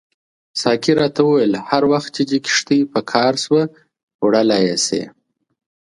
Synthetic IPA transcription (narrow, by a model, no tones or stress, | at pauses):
sɑkiɾɑt̪awəwajəlhaɾwaxt̪̚t͡ʃed̪ikɪ̥ʂt̪əjpəkʰɑɾswə | wɽalajesḛ